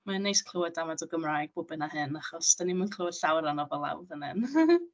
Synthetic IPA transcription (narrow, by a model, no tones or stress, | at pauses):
manːejskʰl̥ˠəwadamadɔɡəmraːjɡ̚bobənahɨnaχɔsd̥animankʰl̥ˠəwḁɬawɾanɔvɔlˠa̰wðənɨn